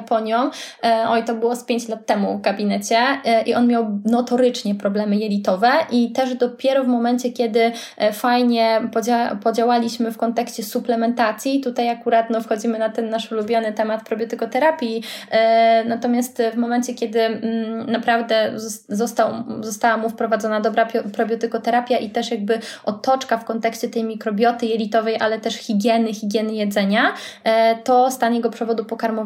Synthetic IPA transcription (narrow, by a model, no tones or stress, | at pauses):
pɔɲɔ̃wɔjit̪ɔbɘwɔspʲjeɲt͡ɕlat̪ːɛmuvɡabʲinɛt͡ɕɛʔiʔɔnmʲjawnɔt̪ɔɾɘt͡ʂɲɛpɾɔblɛmɘjɛlʲit̪ɔvɛʔit̪ɛʐd̪ɔpʲjɛɾɔvmɔmɛnt͡ɕɛkʲɛd̪ɘ | fajɲɛpɔd͡ʑapɔd͡ʑawalʲiɕmɘfkɔnt̪ɛkɕt͡ɕɛsuplɛmɛnt̪at̪sʲjit̪ut̪ajakuɾat̪nɔfxɔd͡ʑimɘnat̪ɛnːaʂulubʲjɔnɘt̪ɛmat̪pɾɔbʲjɔt̪ɘkɔt̪ɛɾapʲji | nat̪ɔmʲjast̪vmɔmɛnt͡ɕɛkʲɛd̪ɘnapɾavd̪ɛzzɔst̪awzɔst̪awamufpɾɔvad̪zɔnad̪ɔbɾapʲpɾɔbʲjɔt̪ɘkɔt̪ɛɾapʲjaʔit̪ɛʂjaɡ̚bɘɔt̪ːɔt͡ʂkafkɔnt̪ɛkɕt͡ɕɛt̪ɛjmʲikɾɔbʲjɔt̪ɘjɛlʲit̪ɔvɛjʔa̰lɛt̪ɛʂxʲiɡʲjɛnɘxʲiɡʲjɛnɘjɛd̪zɛɲa | t̪ɔst̪aɲɛɡɔpʂɛvɔd̪upɔkaɾmɔ